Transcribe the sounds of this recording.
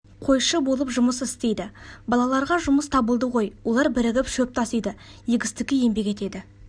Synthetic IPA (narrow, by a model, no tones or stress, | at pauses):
qʰo̞jʃəbolˠəpʒʊməsɪst̪e̞jd̪ɪbɑlˠɑlˠɑɾʁɑʒʊməst̪ʰɑbəlˠd̪əʁo̞jwo̞lˠɑɾbɪɾɪɡʲɪpʃɵp̚t̪ʰɑsijd̪ɪjeɡʲɪst̪ɪkʲɪje̞mbe̞kʲe̞t̪e̞d̪ɪ